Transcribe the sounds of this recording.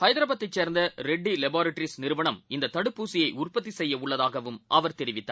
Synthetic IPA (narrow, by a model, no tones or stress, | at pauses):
hɐɪðɾaːbɐt̪ːɐɪt͡ʃːeːɾnd̪ɐɾɛɖːilɛbaːɾɐʈɾisnɪɾɯʋɐɳɐmɪnd̪ɐt̪ːɐɽɯpːuːsɪjɐɪʊrpɐt̪̬ːisɛjːɐʊɭːɐðaːɣɐʋɯmʔɐʋɐɾt̪ɛɾɪʋɪt̪ːa̰ː